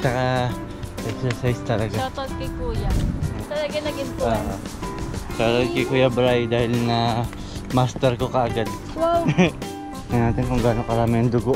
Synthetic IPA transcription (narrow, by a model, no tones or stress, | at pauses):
nɐka | ʔɛksɛɹsajst̪ɐlɐɡat̪od̪̚kɐkuːjat̪ɐlɐɡɐnɐɡɪmpoʔo | kɐt̪od̪̚kɐkuːjɐbɾajd̪aːhɪlnɐ | mast̪ɛɾkokɐʔɐɡad̪̚ | waw | nɐnaːt̪ɪnkʊŋɡaːnokɐɾaːmɪɐŋd̪ʊɡoʔ